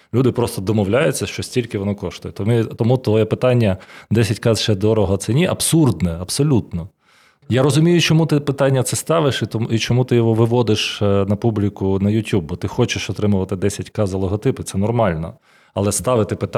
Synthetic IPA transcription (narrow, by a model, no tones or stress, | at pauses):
lʲud̪ɪpɾɔst̪ɔd̪ɔmɔwlʲajʊt͡sʲːɐʃt͡ʃɔsʲtʲilʲkɪʋɔnɔkɔʃt̪ʊjɛt̪ɔmɪt̪ɔmut̪ʋɔjɛpɪt̪ɑnʲːɐd̪ɛsʲɐtʲkɑzʃɛd̪ɔɾɔɦɔt̪sɛnʲiʔɐbsurd̪nɛɐbsɔlʲut̪nɔ | jaɾɔzʊmʲijʊt͡ʃɔmut̪ɪpɪt̪ɑnʲːɐt̪sɛst̪ɑʋɪʃt̪it͡ʃɔmut̪ɪjɔɦɔʋɪʋɔd̪ɪʃnɐpublʲikʊnɐjʊtʲjub̚bɔt̪ɪxɔt͡ʃɪʃɔt̪ɾɪmʊʋɐt̪ɪd̪ɛsʲɐtʲkɑzlˠɔɦɔt̪ɪpɪt̪sɛnɔrmɑlʲnɔ̰ | ɐ̰lˠɛst̪ɑʋɪt̪ɪpɪt̪